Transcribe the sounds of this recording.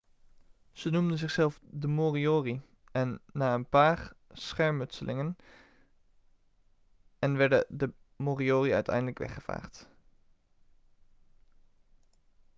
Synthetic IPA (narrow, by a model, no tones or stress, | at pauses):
z̥ənumdənzɪχsɛlˠfdəmoːrioːri | ɛnːaːənpaːɹsχɛɹmɵtsəlʔɪŋən | ɛnʋɛɹdə̰də | moːrioːriœ̰ɥtʰɛ̰jndələkʋɛ̰χəv̥a̰ːχt